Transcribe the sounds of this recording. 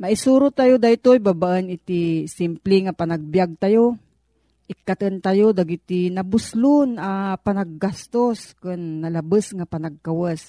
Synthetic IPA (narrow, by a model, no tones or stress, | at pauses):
maʔisuɾʊt̪ajod̪ajt̪oibabaʔənɪt̪isimplɪŋapanaɡ̚bjaɡ̚t̪ajo | ʔɪkːat̪ənt̪ajod̪aɡit̪inabʊslʊnapanaɡ̚ːast̪oskɨnːalabəsŋapanaɡ̚kawəs